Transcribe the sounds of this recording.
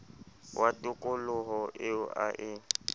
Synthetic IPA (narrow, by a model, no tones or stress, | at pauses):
wʔatʼʊkʼʊlʊɦɔʔɪʊʔa̰ʔɪ